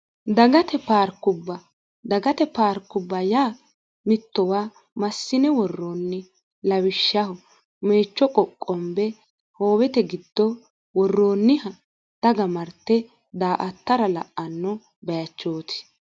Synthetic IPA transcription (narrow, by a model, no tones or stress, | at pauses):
d̪ɐɡɐt̪ɛpaːɾkːʊbːɐ | d̪ɐɡɐt̪ɛpaːɾkːʊbːɐjaː | mɪt̪ːɔwaː | mɐsːɪnɛwɔrːoːnːɪ | lɐwɪʃːɐhɔ | me̞ːt͡ʃːɔkʼɔkʼːɔmbɛ | ho̞ːwɛt̪ɛɡɪd̪̥ːɔ | wɔrːoːnːɪhɐ | t̪ɐɡɐmɐɾt̪ːɛ | d̪aːʔɐt̪ːɐɾɐlɐ̰ʔɐnːɔ | bɛjɐt͡ʃːoːt̪ɪ̥